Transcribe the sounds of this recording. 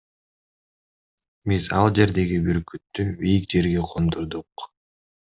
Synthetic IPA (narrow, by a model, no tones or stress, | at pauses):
bizɑlˠd͡ʒe̞ɾd̪e̞ɡibiɾkyt̪ːybijik̚d͡ʒe̞ɾɡeqʰomd̪uɾd̪uq